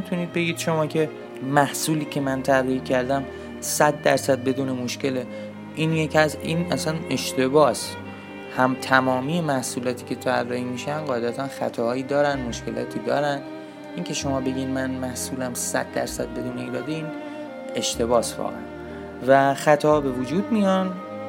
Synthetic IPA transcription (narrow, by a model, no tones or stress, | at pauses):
it̪ʰuniːd̪̚be̞ɡiːd̪̥ʃo̞mɒːcʰe̞ | mæhsuːliːcʰemænt̪ʰærːɒːhicʰæɾd̪æm | sæd̪ːæɾsæd̪̚be̞d̪uːne̞moʃce̞le | ʔiːnjecʰæzḭːnæsæne̞ʃt̪e̞bɒːs | hæmt̪ʰæmɒːmiːjemæhsuːlɒːt̪ʰiːcʲʰe̞t̪ʰærːɒhiːmiːʃænɢɒːed̪æt̪ʰænxæ̰t̪ʰɒːhɒːiːd̪ɒːɾænmo̞ʃke̞lʔɒ̰ːt̪ʰiːd̪ɒ̰ːɾæn | ʔincʰe̞ʃo̞mɒːbe̞ɟiːnmænmæhsuːlæmsæ̰d̪ːæ̰ɾsæd̪̚be̞d̪uːneiːɾɒːd̪eiːn | e̞ʃt̪ʰe̞bɒːsvɒ̰ɣḛæ | væxæt̪ʰɒːbe̞vod͡ʒuːd̪̚mijɒn